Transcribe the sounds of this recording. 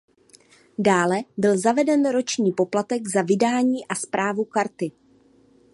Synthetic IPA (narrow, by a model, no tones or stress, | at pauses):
daːlɛbɪlzavɛdɛnɾo̞t͡ʃɲiːpo̞plat̪ɛɡzavɪdaːɲiːʔaspɾʔaːvukaɾt̪ɪ